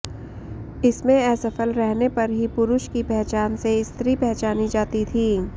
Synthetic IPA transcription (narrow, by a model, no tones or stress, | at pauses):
ɪsmẽɛːsɐfəlɾɛɦnepɐɾɦipʊɾʊʃkipɛɦt͡ʃaːnseɪst̪ɾipɛɦt͡ʃaːnid͡ʒaːt̪it̪ʰiː